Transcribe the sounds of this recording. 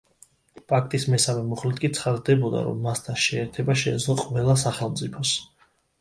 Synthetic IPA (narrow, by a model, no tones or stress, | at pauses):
pʰʼak̚ʰt̪ʼismɛsamɛmuχlit̪ʰkʼit̪sʰχad̪d̪ɛbɔd̪a̰ɾɔ̰mːast̪ʰanʃɛːɾt̪ʰɛbaʃɛːd̪zlˠɔqʼvɛlˠas̬aχɛlˠmt̪sʼipʰɔs